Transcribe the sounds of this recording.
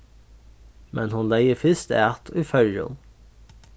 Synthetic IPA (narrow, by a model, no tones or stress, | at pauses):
mʔɛnhʊnlæɪəfɪst̪æt̪ʰoiːfœljʊ̰n